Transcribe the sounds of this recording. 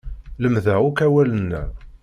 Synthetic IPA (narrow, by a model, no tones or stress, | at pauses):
ləmðæʁʊkæwælənːæ̰